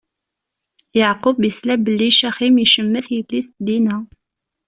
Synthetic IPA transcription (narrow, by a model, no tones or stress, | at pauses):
jaʕqʊbjəslæbəlːiʃæχimiʃəmːəθjəflisd̪inæ